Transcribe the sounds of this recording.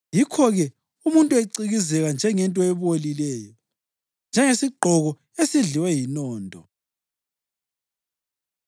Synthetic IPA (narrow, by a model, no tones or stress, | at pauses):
jikʰɔɣɛ | umuntʼueǀiɣizɛɣand͡ʒʱɛŋɛntʼɔɛβolilɛːjɔ | nd͡ʒʱɛŋesiɡ͡ǃʱɔɣɔ | esiɮiwɛjinɔːntʼɔ